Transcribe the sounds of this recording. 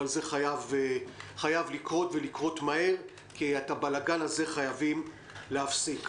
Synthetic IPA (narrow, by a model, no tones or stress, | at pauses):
alze̞χajav | χajavlikʁo̞tve̞likʁo̞tmahe̞ʁ | kiatabalaɡanaze̞χajavim | leafsik